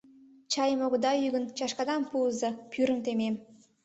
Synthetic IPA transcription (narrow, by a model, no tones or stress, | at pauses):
t͡ɕɑjəmoɣə̆d̪ɑyɣə̆nt͡ɕɑʃkɑd̪ɑmpuzɤpʰyɾəmt̪emem